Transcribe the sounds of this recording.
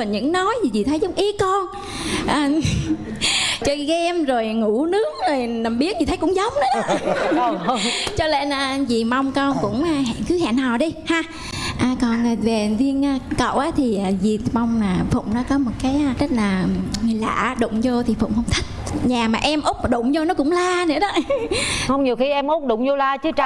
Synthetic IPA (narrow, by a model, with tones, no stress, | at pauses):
ɔ˨˩ɲɨ̰˧˥ŋnɔ˨˦jzi˨˩zi˨˩t̪ʰə˨˦jzʊ˨˦wŋ͡mʔi˨˦kɔ˧n | ʔəː˨˩ | t͡ɕɔ˧kaː˨˦jʔɛ˧mzo˨˩jŋu˧˩˥nɨ˦˥ək̚zo˨˩jna˨˩mɓi˦˥ət̚zi˨t̪ʰə˨˦jkʊ̰˧˥ŋ͡mzə˨˦wŋ͡m̚nə˨˦ɗ | t͡ɕɔ˧le˧nʔəː˧˩zi˨˩ma˧wŋ͡mkɔ˧nkʊ̰˧˥ŋ͡mʔa˧˩ha̰˧˨kɨ˨˦ɦa̰ː˧˨naː˨˩wɗi˧haː˧ | ʔaː˨˩kɔ˨˩na˨˩ve˨˩˨vi˧ənʔaː˧kə̰˧˨wʔaː˨˦t̪ʰi˨˩ʔaː˨˩zi˨˩ma˧wŋ͡mnaː˨˩fʊ̰˧˨ŋ͡mnɔ˨˦kɔ˨˦mo˨˩t̚kaː˨˦jzə˦˥t̚laː˨˩ŋ˨˩la̰ː˧˨ɗʊ̰˧˨ŋ͡mzo˧t̪ʰi˨˩fʊ̰˧˨wŋ͡mhə˧wŋ͡mt̪ʰə˦˥t̚ɲaː˨˩maː˨˩ʔɛ˧mʔʊ˦˥k͡p̚ma˨˩ɗʊ̰˧˨ŋ͡mzo˧nɔ˨˦kʊ̰˧˥ŋ͡mlaː˧ne˧˦ɗɔ˨˦hə˧wŋ͡mɲi˨˩əwxi˧ʔɛ˧mʔʊ˦˥k͡p̚ɗʊ̰˧˨ŋ͡mzo˧laː˧t͡ɕɨ˨˦t͡ɕ